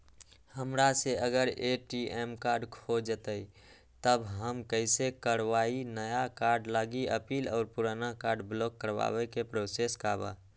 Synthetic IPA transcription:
həmɾaseəɡəɾeʈiʔemkaːɾɖkʰod͡ʒət̪əi | t̪əbɦəmkəɪsekəɾʋaːinəjakaːɾɖlaɡiəpiːlɔːɾpuɾanakaːɾɖblɔːkːəɾwa̰wekepɾoseskaːba̰

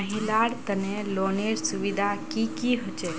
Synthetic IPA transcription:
əɦilaɽt̪əneloːneɾsuʋid̪ʱakikiɦot͡ʃe

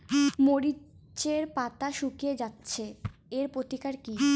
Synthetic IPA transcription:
moɾi | t͡ɕeɾpat̪aʃukied͡ʑatːɕʰeeɾpot̪ikaɾki

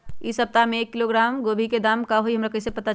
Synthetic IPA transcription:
isəp̚t̪ameːkːiloɡɾamɡobʱiked̪amkaɦoiɦəmɾakəisepət̪a

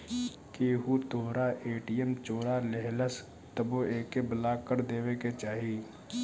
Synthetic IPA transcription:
keːɦut̪oːɾaʔeːʈijəmt͡ʃoːɾaleɦləs | t̪əboeːkebəlaːkːəɾd̪eːweket͡ʃaːɦi

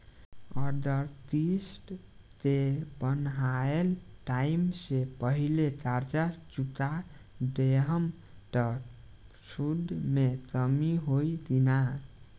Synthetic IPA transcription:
ʌd̪əɾt̪isʈ | t̪ebʌnɦaelʈaimsepʌɦilet̪aɾt͡ʃat͡ʃut̪a | ɖeɦəm | ʈʌ | sud̪met̪ʌmiɦoid̪ina

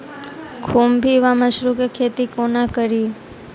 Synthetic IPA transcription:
kʰombʱiʋaməʃɾukekʰet̪ikonakəɾi

